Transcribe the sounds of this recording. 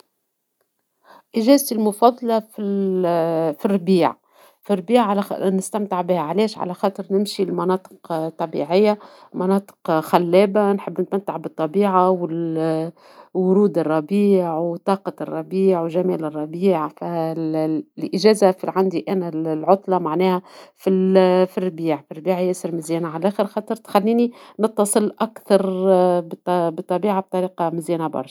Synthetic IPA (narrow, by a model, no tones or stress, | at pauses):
ʔɪʒæːzt̪ilmʊfɑðˤːɑlɑfi | firˤːbiːʕ | firˤbiːʕʕalnɪst̪æmt̪ɪʕbɪhæʕalɛːʃʕa̰læxɑːt̪ˤɨɾnɪmʃilmɑnɑːt̪ˤə̥qt̪ˤːɑbḭʕɪjːa | mɑnɑːt̪ˤə̥qxælːɛːbanħɪbːnɪt̪mæt̪ːaʕbɨt̪ˤːɑbiːʕawɪl | wʊɾuːd̪ɨrˤːɑbiːʕwt̪ˤɑːqɑrˤːɑbiːʕwʒæmɛːlɪrˤːɑbiːʕfæ | lʔɪʒæːzafilʕand̪iʔænællʕʊt̪ˤlɑmaʕnɛːhæfifɪrːbiːʕfirːbiːʕjæsɪɾmɪzjæːnaʕalʔæːxɪɾxɑːt̪ˤɑɾt̪xalːiːninɨt̪ːɑsˤɨlʔakθɑɾˤbt̪bɨt̪ˤːɑbiːʕab̚t̪ˤɑɾiːqɑmɪzjæːnabɑ̰rˤʃ